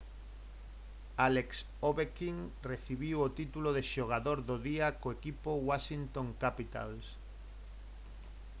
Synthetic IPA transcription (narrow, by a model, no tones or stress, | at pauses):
aleks | oβekiŋreθiβiwot̪it̪uloðeʃoɣ̞aðoɾðoðiakoekipowaʃint̪oŋkapit̪a̰ls